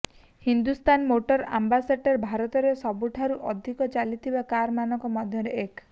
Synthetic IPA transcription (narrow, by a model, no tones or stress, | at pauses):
hind̪ust̪ʰanmoʈɔɾa̰mbasaʈɔɾbʱaɾɔt̪ɔɾesɔbuʈʰaɾuʔɔd̪ʱikɔt͡ʃalit̪ʰibakaɾmanɔŋkɔmɔd̪ʱjɔɾeek